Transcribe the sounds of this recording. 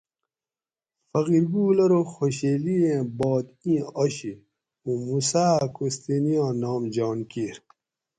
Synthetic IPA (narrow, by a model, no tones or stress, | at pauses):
fɐɣiɾbuːlɐɾoxoɕeːliẽbɔːt̪ĩɐɕi | ũːmusaːkost̪eːnijãːnaːmd͡ʑaːnkiɾ